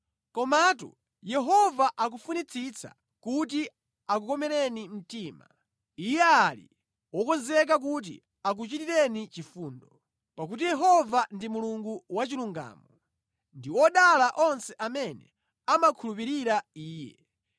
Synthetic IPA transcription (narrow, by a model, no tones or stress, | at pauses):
kɔmatṵ | jɛɦɔvaʔak̬ufunit͡sʰit͡sa̰ | kuti | ak̬ukɔmɛɾɛnim̩tiːma̰ | ijɛalḭ | wɔkɔzɛk̬ak̬ut̬ḭ | ak̬ut͡ʃitiɾɛnit͡ʃifuːndɔ | pak̬ut̬ijɛɦɔvandimuluŋɡuwat͡ʃiluŋɡa̰ːmɔ | ndiwɔɗalaʔɔnsɛʔamɛnɛ̰ | amakʰulupiɾiɾaiːjɛ̰